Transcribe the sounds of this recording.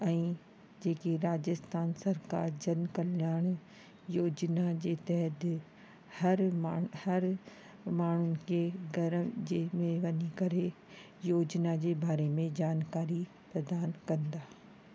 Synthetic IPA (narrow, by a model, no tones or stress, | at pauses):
ɛ̃ː | d͡ʑeːkiɾaːd͡ʑəst̪ʰaːnsɐɾka̰ːɾd͡ʑɐnkɐljaːɽ̃ | joːd͡ʑnad͡ʑeːt̪ɛɦəd̪ɪ | hɐɾhɐɾ | maːɳ̤ʊnɪ̆kʰeɡɐɾəd͡ʑemẽʋɐɲikɐɾe | joːd͡ʑnad͡ʑeːbaːɾemẽd͡ʑaːnkaːɾi | pɾɐd̪aːnkɐ̃nd̪aː